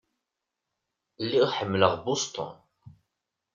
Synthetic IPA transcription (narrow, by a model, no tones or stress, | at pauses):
lːiʁħəmːləʁbʊst̪ˤə̰n